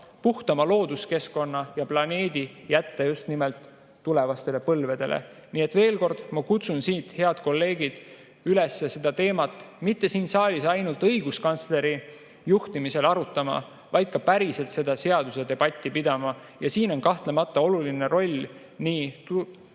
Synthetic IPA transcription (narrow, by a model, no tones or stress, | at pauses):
puht̪ɑmɑlo̞ːd̪̥uske̞sko̞nːɑjɑplɑne̞ːd̪̥ijæt̪ːejust̪nimelt̪ː | ule̞vɑst̪e̞le̞pɤlve̞d̪̥e̞lʔḛ | niːe̞t̪ːve̞ːlko̞rd̪̥mɑkut̪sunsiːt̪he̞ɑd̪̥ko̞lːe̞ːɡ̥id̪̥ | yle̞sːese̞d̪ɑt̪e̞ːmɑt̪ːˑmit̪ːe̞siːnsɑːlʲisɑjnult̪ɤjɡuskɑnt̪sle̞ɾi | juht̪imise̞lɑɾut̪ːˑɑmɑ̰ | vɑjd̪̥̚kɑpæɾise̞lt̪se̞d̪ɑse̞ɑd̪̥use̞d̪e̞b̥ɑt̪ʲːipid̪̥ɑmɑ | jɑsiːno̞nkɑht̪le̞mɑt̪ːɑo̞luline̞ɾo̞lʲ | niːt̪